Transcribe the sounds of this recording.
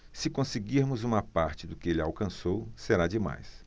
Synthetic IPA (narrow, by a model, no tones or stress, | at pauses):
sɪkõsɪɡiɾmʊzũmɐpaɾt͡ʃɪd̪ʊkɪelɪawkɐ̃sowseɾad͡ʒɪma̰js